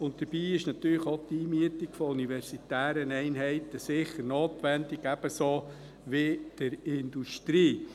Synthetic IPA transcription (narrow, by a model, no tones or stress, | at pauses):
ʊntt̪əɾb̥iːɪʃnɑt̪yːləχot̪iːmyətɪkfɔuniʋɛrsit̪æːɾənɛɪnɦɛɪt̪əsɪχəɾnoːtʋɛndɪɡæb̥əsoː | ʋɪd̥əɾɪnd̥̪uʃtɾiː